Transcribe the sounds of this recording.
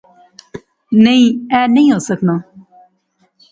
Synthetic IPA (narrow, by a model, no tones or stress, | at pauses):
neĩːɛːnəĩːɦoːsəknaː